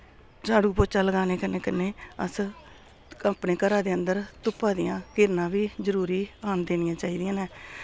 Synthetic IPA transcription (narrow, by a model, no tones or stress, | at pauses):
d͡ʒaːɽuːpoːt͡ʃaːləɡaːneːkənːeːkənːeːə̰s | əpneːkəɾaːd̪eːənd̪əɾt̪ʊpːaːd̪ɪjãːkɪɾnãːʋiːzəɾuːɾiːaːnd̪eːnɪjãːt͡ʃaːiːd̪ɪjãːnɛː